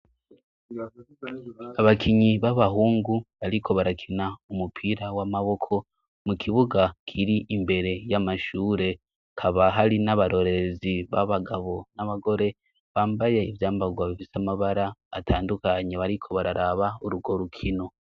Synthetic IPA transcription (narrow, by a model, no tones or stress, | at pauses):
aβakʰiɲiβaβaɦuːŋɡuβaɾikʰo̞βaɾakʰinaumupʰiɾawamaβo̞kʰo̞ | mukʰiβuɡakʰiɾiʔimbe̞ɾe̞jamaʃuːɾe̞ | kʰaβaɦaɾinaβaɾo̞ɾe̞ɾeziβa̰βaɡaβo̞naβaɡo̞ɾe̞ | βaːmbaje̞ivjaːmbaɡwaβifisamaβaɾa̰ːtʰaːndukaɲe̞βaɾikʰo̞βaɾaɾaβauɾuɡo̞ɾukʰino̞